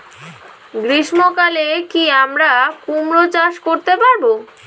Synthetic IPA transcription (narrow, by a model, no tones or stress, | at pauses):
ɡɾiʃmokalekiamɾakumɾot͡ɕaʃkoɾt̪epaɾbo